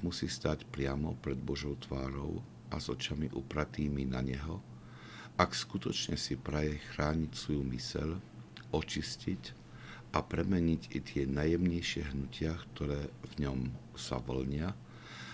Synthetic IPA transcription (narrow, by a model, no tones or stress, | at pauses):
musiːst̪aːcpɾɪamɔpɾɛd̪̚bɔʒɔʊt̪ʋaːɾɔ̰ʊ | ʔazɔt͡ʃamiʔupɾat̪iːminaɲɛɦɔ | ʔakskut̪ɔt͡ʃɲɛsipɾajɛxɾaːɲicsʋɔjumisɛ̰ʎʔɔt͡ʃiscic | apɾɛmɛɲicit̪ɪɛnajɛmɲɛjʃɪɛɦnucɪakt̪ɔɾɛːvɲɔm | sa̰ʋɔ̰lɲɪa